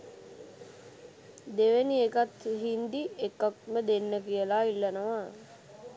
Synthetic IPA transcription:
d̪eʋeniekat̪ɦind̪iekːak̚məd̪enːəkijəlailːɐnoʋa

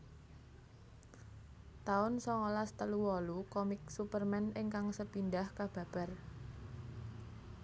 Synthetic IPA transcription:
t̪aʊnsɔŋolast̪əluwɔlukɔmɪksupərmɛnɪŋkaŋsəpindahkab̥ä̤b̥a̤r

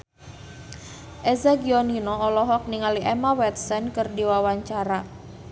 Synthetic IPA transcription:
ʔezaɡiɔninɔːlɔɦɔk̚niŋaliʔɛmawɛt̪̚sɛnkɨrdiwawaɲt͡ʃaɾa

